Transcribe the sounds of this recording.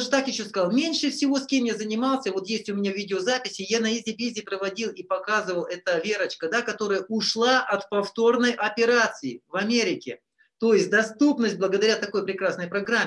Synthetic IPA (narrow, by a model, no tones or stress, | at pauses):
ʐɨt̪akjɪɕːo̞skɐzɑlˠmʲenʲʂɨfsʲɪvo̞sʲkʲe̞mjazənʲɪmɑlˠsʲəvo̞t̪jesʲtʲʊmʲɪnʲavʲidʲɪozapʲɪsʲɪjanəizʲdʲɪbʲizʲɪːpɾəvɐdʲilˠipɐkazɨvəlˠɛt̪əvʲe̞ɾət͡ɕkəd̪akɐt̪o̞ɾəjəʔʊʂlˠaʔɐt̪pɐft̪o̞rnəjʔɐpʲɪɾat̪sɨɪvɐmʲeɾʲɪkʲɪ | t̪ojɪsʲt̚ʲd̪ɐst̪upnəsʲt̚ʲblˠəɡəd̪ɐɾʲat̪ɐko̞jpɾʲɪkɾasnəjpɾɐɡɾamʲːɪ